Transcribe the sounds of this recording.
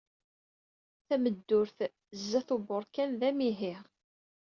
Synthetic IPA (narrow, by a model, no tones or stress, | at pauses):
θæməd̪ːʊɾθ | zːæθubʊɾˤkænðæmiɦiʁ